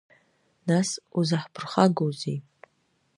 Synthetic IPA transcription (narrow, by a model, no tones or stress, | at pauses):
nasuzaħpʰɨrχaɡowzej